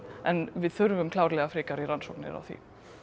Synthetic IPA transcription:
ɛnvɪðθʏɾvʏmkʰlaːwɾlɛɣafɾɪːkaɾiɾansowknɪ̰ɾa̰wθḭ

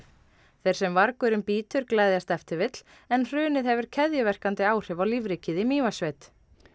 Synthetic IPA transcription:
θej̥sɛmvaɾkʏɾɪmpiːt̪ʰʏɾklajðjast̪ɛft̪ɪɾvɪt̪l̥ | ɛnr̥ʏːnɪðhɛvʏɾ̥cʰɛðjʏvɛr̥kant̪ɪaːwr̥ɪvawlivɾicɪðɪmiːvasvejt̪

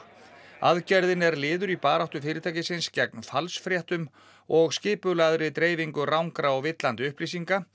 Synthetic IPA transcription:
aðcɛɾðɪnɛɾlɪːðʏɾipaːɾawht̪ʏfɪːɾɪt̪ʰaːjcɪsɪnscɛk̚nfalsfɾjɛht̪ʏm | ɔɣscɪːpʏlaðɾɪt̪ɾeːjviŋkʏrawŋkɾaɔɣvɪt̪lant̪ʏhplis̬iŋka

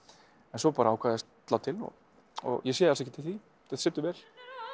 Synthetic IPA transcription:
ɛnsɔpaːɾaawkʰaːðɛst̪t̪laːwt̪ʰɪlɔ̰ | ɔ̰ɣjɛsjɛjðast̪ɛcɪt̪ʰɪlθi | θɛθsɪt̪ːʏɾvɛl̥

